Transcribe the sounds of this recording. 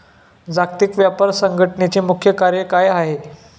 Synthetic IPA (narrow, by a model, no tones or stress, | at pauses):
d͡zakt̪ikʋjapaɾsəŋɡʱəʈəɳet͡ɕiːmukʰjəkaɾjəkajaɦe